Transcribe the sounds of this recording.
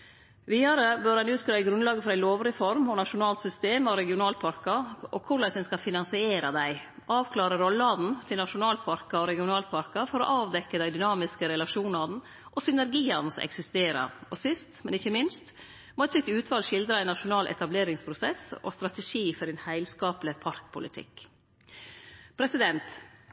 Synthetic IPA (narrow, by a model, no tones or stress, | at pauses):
ʋiːɑɾəbøɾhɑnʉːt̪ɡɾɑɪɡɾʉnlɑːɡəfɔɾæɪloːʋɾɪfɔɾmɔnɑʂʊnɑːlt̪sʏst̪eːmɔɾɛɡɪʊnɑːlpʰɑɾkɑʔɔkʰʊɭæsɛnskɑfɪnɑnsɪeːɾɑd̪æɪʔɑːʋkʰlɑːɾəɾɔlːɑd̪n̩t̪ʰɪlnɑʂʊnɑːlpʰɑɾkɑɔɾɛɡɪʊnɑːlpʰɑɾkɑfɔɾɔ̰ʔɑːʋd̪ɛkːəd̪æɪd̪ʏnɑːmɪskəɾɛlɑʂuːnɑn̩ | ʔɔsʏnæɾɡiːɑnəsɛ̰ksɪst̪eːɾɑ̰ɾɔsɪst̪mɛnɪçːəmɪnst̪ | mɔɛt̪sʏkt̪ʉːt̪ʰʋɑːlʂɪld̪ɾɑɪnɑʂʊnɑːlʔɛ̰t̪ɑbleːɾɪŋspʰɾʊsɛsɔ̰st̪ɾɑt̪ɛʂiːfɔɾɛnhæɪlskɑːplɪpʰɑɾkpʰʊlɪt̪ʰɪ̰k | pʰɾɛsɪd̪ɛnt̪